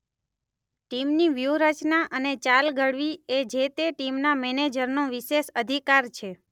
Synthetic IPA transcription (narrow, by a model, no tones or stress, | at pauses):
ʈimniʋjuɾət͡ʃnaʔənet͡ʃalɡʱəɽʋied͡ʒet̪eʈimnamɛned͡ʒəɾnõʋiʃeʃəd̪ʱikaɾt͡ʃʰe